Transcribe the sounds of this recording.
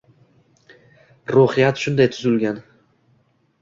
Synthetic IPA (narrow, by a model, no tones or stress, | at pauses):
ɾuhɪjat̪ʃʊnd̪ajt̪ʰʊzɪlɡʲan